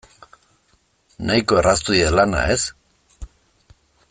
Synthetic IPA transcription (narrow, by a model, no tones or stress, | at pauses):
najko̞erast̪uielana̰es